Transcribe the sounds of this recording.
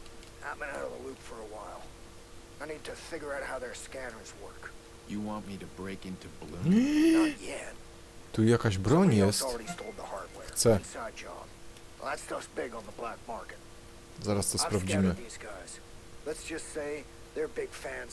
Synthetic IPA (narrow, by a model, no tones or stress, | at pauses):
ã̰ɪ̃mɡʌ̃nɛɾvəlupfə˞əwaɪlˠ | aɪnid̚tʰɨfɪɡjə˞aʊt̚haʊðə˞skænə˞zwɜ˞k | jɨwɑ̃nmiɾɨbɹeɪkɪ̃ntʰubəlũ | jɛ | t̪ujakaʑbɾɔɲjɛstl̩ˠɹɛɾistoʊlˠd̪̚ðəhɑɹd̚wɛ̰xɹt̪sɛsaɪd̚d͡ʒɑ̰̃nðætsdʌsb̥ɪɡə̃nðəblæk̚mɑɹkɨt̚ | zaɾast̪ɔsspɾavd͡ʑimɨðizɡaɪz̥ | lɨtsd̥ʒ̥ʌstseɪ | ðə˞bɪɡ̥fæ̃n